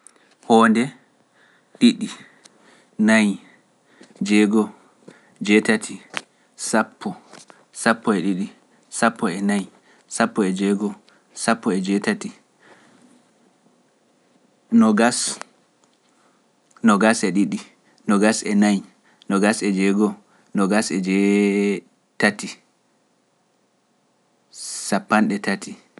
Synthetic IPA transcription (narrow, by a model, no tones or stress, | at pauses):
hɔːndɛ | ɗiɗːi | naj | d͡ʒɛɡɔ | d͡ʒɛtatʰi | sapʰːɔ | sapːɔɛɗiɗi | sapːɔɛnaj | sapːɔɛd͡ʒɛɡɔ | sapːɔɛd͡ʒɛtati | nɔɡas | nɔɡasɛɗiɗi | nɔɡasɛnaj | nɔɡasɛd͡ʒɛɡɔ | nɔɡasɛd͡ʒɛ | tati | sapːanɗɛtati